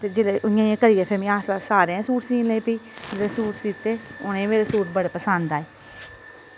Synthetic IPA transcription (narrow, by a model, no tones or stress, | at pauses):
t̪eːd͡ʒeːleːʔʊɪjãːiãːkəɾɪjaːpʰeːmĩːaːsaːsaːɾeãːsuːʈsĩːnlẽːpiːmeɾeːsuːʈsiːt̪ːeːʊnẽːmeːɾeːsuːʈbəɽeːpəsand̪aːeː